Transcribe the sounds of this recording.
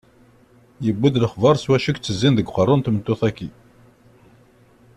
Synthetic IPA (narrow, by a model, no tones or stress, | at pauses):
jəbːid̪ləχvɑɾˤswæʃəkt͡sːəzːinðəɡqərˤːʊnt̪mət̪ːʊθækːi